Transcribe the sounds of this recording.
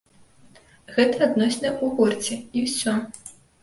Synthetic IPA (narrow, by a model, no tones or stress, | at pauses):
ɣɛt̪ɐad̪nɔsʲnɐjɛuɣurt͡sʲɛiwsʲɔ